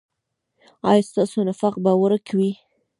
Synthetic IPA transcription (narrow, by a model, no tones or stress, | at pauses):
ɑjɑst̪ɑsonafɑq̚bawaɾakʰawi